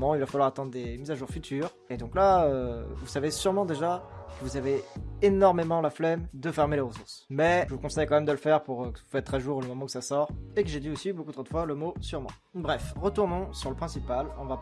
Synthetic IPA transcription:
mɑ̃ilvafalwaʁat̪ɑ̃d̪ʁd̪emizaʒuʁfyt̪ʰyːʁ | ed̪ɔ̃klaøvusavesyʁmɑ̃d̪eʒakəvuzaveenɔʁmemɑ̃laflɛmd̪əfɛʁmeleʁəsuʁsmɛʒəvukɔ̃sɛjkɑ̃mɛmd̪əlfɛʁpuʁøkə̥vufɛt̪ːχɛʒuʁləmɔmɑ̃ukə̥sasɔʁekəʒed̪iosibokut̪χod̪əfwaləmosyʁmɑ̰̃ | bʁɛfʁət̪uʁnɔ̃syʁləpχɛ̃sipalɔ̃va

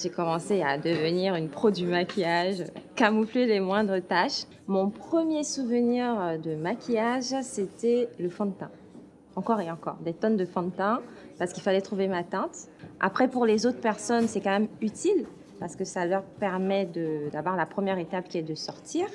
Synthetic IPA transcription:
ʒekɔmɑ̃sead̪əvəniʁynpχod̪ymakʲijaʒøkamuflelemwɛ̃d̪ʁət̪aʃ | mɔ̃pχəmjesuvəniʁd̪əmakʲʰijaʒset̪ɛləfɔ̃t̪ɛ̰̃ | ɑ̃kɔʁeɑ̃kɔ̰ʁd̪et̪ɔnd̪əfɑ̃t̪ɛ̃ | paʁsə̥kilfalɛt̪χuvemat̪ɛ̃t̪ | ʔa̰pχɛpuʁlezot̪χə̥pɛʁsɔnsɛkɑ̃mɛmyt̪il | paʁsə̥kəsalœʁpɛʁmɛd̪əd̪avwaʁlapχəmjɛʁet̪apkʲiɛd̪əsɔʁt̪ʰiːʁ

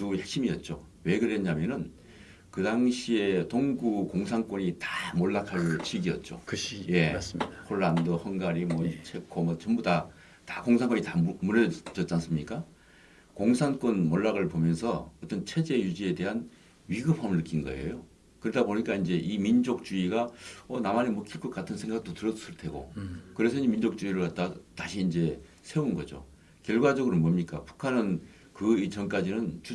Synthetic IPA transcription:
tujek̚ɕ͈imiʌt̚t͡ɕ͈owe̞ɡɯɾeɲamjʌnɯn | kɯdaŋɕʰie̞toŋɡukoŋsʰaŋk͈wʌɲitḁmoɭːakʰaɭt͡ɕʰiɡiʌt̚t͡ɕ͈o̰kje̞shʰoɭːandʌhʌŋɡaɾimwʌt͡ɕʰe̞kʰomʌt͡ɕʌmbuda | takoŋsʰaŋk͈ʌɲitamuɾʌt͡ɕʌt̚t͡ɕ͈ans͈ɯmɲik͈a | koŋsʰank͈wʌnmoɭːaɡɯɭpomjʌnsʰʌʌt͈ʌnt͡ɕʰe̞d͡ʑe̞jud͡ʑie̞de̞ɦan | ɥiɡɯpʰamɯɭnɯk͈inɡʌḛjo | kɯɾʌdaboɲik͈aind͡ʑe̞ʔimind͡ʑok̚t͡ɕ͈uiɡaʌnamanemʌkʰik͈ʌk͈atʰɯnsʰe̞ŋɡak̚t͈otɯɾʌd͡ʑusʰɯɭtʰe̞ɡo̰kɯɾe̞s̬ʰʌimind͡ʑok̚t͡ɕ͈uiɾɯɭkat̚t͈ataɕʰiːnd͡ʑe̞ | sʰeunɡʌd͡ʑo̰ | kjʌɭɡwad͡ʑʌɡɯɾomʌmɲik͈apu̥kʰanɯn | kɯit͡ɕʌnk͈ad͡ʑinɯnt͡ɕu

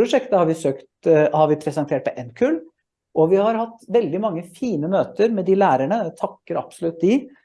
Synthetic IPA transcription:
ɾʊʂɛkt̪əhɑɾʋɪsøːkt̪hɑɾʋɪpʰɾɛsənt̪ʰeːʈ̚pʰɔʔɛnkʰʉl | ʔɔʋɪhɑɾhɑt̪ːʋɛld̪ɪmɑŋːəfiːnəmøːt̪əɾmɛd̪ɪlæːɾæɳət̪ʰɑkːəɾɑ̰psɔlʉt̪̚d̪ɪ

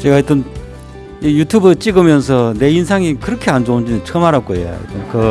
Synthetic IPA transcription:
t͡ɕeɡait͈ʌn | ijutʰubɯt͡ɕ͈iɡɯmjʌnsʰʌne̞ins̬ʰaŋikɯɾʌkʰeand͡ʑound͡ʑinɯt͡ɕʰʌmaɾak͈oeja̰ḭt͈ankɯ

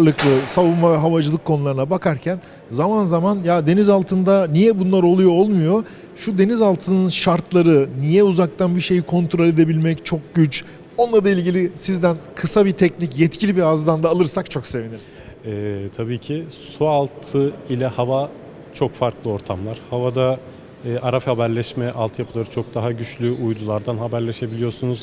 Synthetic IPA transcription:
lˠɯklˠɯsavumavɛɦavad͡ʒɯlˠɯkʰːo̞nulˠaɾɯnabakʰaɾcʰæn | zamanzamanjad̪e̞nizalˠt̪ʰɯnd̪anijɛbunlˠaɾo̞lˠujo̞olˠmujo | ʃud̪e̞nizalˠt̪ʰɯnɯnʃaɾt̪ʰlˠaɾɯnijɛuzak̚t̪ʰanbiʃe̞jikʰo̞nt̪ʰɾo̞lʲe̞d̪e̞bilʲmɛct͡ʃʰo̞k̚ɟyt͡ʃ | o̞nlˠaɾd̪ailʲɟilʲisizd̪ænkʰɯsabit̪ʰɛcnicjɛt̪cʰilʲibiazd̪and̪aːlˠɯɾsak̚t͡ʃʰo̞kse̞viniɾiz̥ | ɛːt̪ʰabiːcʰisualˠt̪ʰɯilʲɛhava | t͡ʃʰo̞kfaɾklˠɯo̞ɾt̪ʰamlˠaɾ̥havad̪aː | ʔaɾafhabæɾlʲɛʃmɛʔalˠt̪ʰɯjapʰɯlˠaɾɯt͡ʃʰo̞k̚d̪aɦaɟyt͡ʃlʲyʔujd̪ulˠaɾd̪anɦabæɾlʲeʃe̞bilʲijoɾsunuz̥

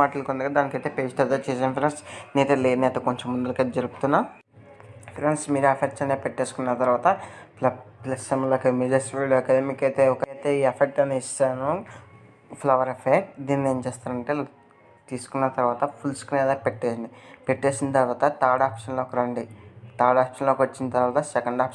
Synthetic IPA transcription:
aːʈɐlkond̪ɐɡaːd̪aːnikɐjt̪epeːd͡ʒit̪ɐɾd̪ɐt͡ʃeːs̬ːmpiɾensneːt̪eːleːniɐt̪ɐkoɲt͡ʃemːund̪ulɐked͡ʒɐɾupu̥t̪unːɐ | pʰiɾɐnsmiːɾuɐpʰek̚ʈt͡ʃɐnepeʈːe̞ːsu̥kunːɐt̪ɐɾʋaːt̪ɐplɐplɐsemɐlɐkɐmid͡ʒɐsɾiluekad̪emikɐjt̪eːɔkɐjt̪e̞ːiːɐpʰek̚ʈɐneist̪aːnu | pʰlɐʋɐɾɐpʰek̚ʈd̪iːnneːnt͡ʃeːst̪aːɾɐɳʈeː | t̪iːsu̥kunːɐt̪ɐɾʋaːt̪ɐpʰulskunɛːd̪akpeʈːeːsind̪ipeʈːeːsint̪ɐɾʋaːt̪ɐt̪aːɽaːpʂɐnloːɔkɐɾɐɳɖit̪aːɖaːpʂɐnloːkiʋot͡ʃːinɐt̪ɐɾʋaːt̪ɐsɛkɐɳɖaːpʂɐ

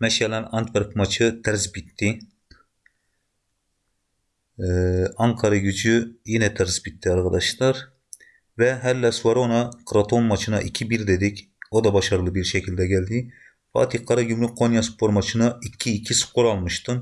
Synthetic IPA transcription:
mɛʃɛlɛnɑnt̪vɛɾpmɑt͡ʃʰɯt̪ʰɛɾzbit̪ʰːi | ɑŋkʰɑɾɑɡyd͡ʒyjinɛt̪ʰɛɾzbit̪ʰːiɑɾqɑd̪ɑʃlˠɑɾ | vɛɦɛlːɛsuwɑɾonɑkʰɾat̪ʰonmɑt͡ʃʰɯnɑʔikʲʰibiɾd̪ed̪ikʲ | od̪ɑbɑʃɑɾɯlˠɯbiɾʃɛcʰilʲd̪ɛɡʲɛld̪i | fɑ̰ːt̪ʰiqʰːɑɾɑɡʲymlyqʰːonjɑspʰoɾmɑt͡ʃʰɯnɑikʲʰːiːkʲʰisu̥qːuɾɑlˠmɯʃt̪ɯn

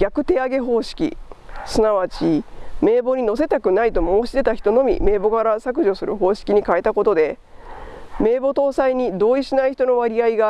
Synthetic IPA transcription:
ɡ̥ʲakɯ̟t̪e̞aɡe̞ɦo̞ːɕi̥kʲḭsɨnaβ̞at͡ɕime̞ːbo̞ɲ̟ino̞se̞t̪akɯ̟nait̪o̞moːɕid̪e̞t̪açi̥t̪o̞no̞mʲḭme̞ːbo̞kaɾasak̬ɯ̟ʑo̞sɨɾʔɯ̟̰ɦo̞ːɕi̥kʲiɲ̟ikae̞t̪ako̞t̪o̞d̪e̞ | me̞ːbo̞t̪o̞ːsaiɲ̟id̪o̞ːiɕinaiçi̥t̪o̞no̞βaɾʲiaiɡa

